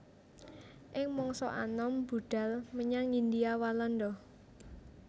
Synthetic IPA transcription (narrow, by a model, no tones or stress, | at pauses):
ʔɪŋmɔŋsɔ̰ʔa̰nɔmbṳɖ̪̥a̤lməɲaŋind̪iawalɔndɔ